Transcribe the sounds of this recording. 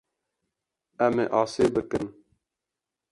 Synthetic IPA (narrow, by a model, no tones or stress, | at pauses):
ɛmeːʔɑːseːbɨkɨn